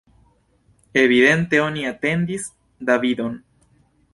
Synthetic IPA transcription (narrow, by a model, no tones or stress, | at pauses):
e̞vide̞nt̪e̞o̞niat̪e̞nd̪is | d̪avid̪o̞n